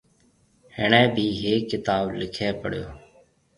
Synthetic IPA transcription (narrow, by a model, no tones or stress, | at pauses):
hḛːɳẽːbʱiːɦeːɪt̪aːblɪkʰeːpə̰ɽ̤jo̰ː